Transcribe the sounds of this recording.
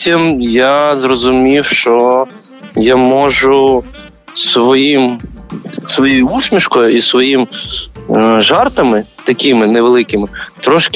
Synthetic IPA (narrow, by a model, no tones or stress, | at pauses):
tʲimjazrɔzʊmʲiwʃt͡ʃɔ | jamɔʒʊ | sʋɔjim | sʋɔjijʊusʲmʲiʃkɔjʊisʋɔjim | ʒɑrt̪ɐmɪt̪ɐkʲimɪnɛʋelˠɪkɪmɪt̪ɾɔʃk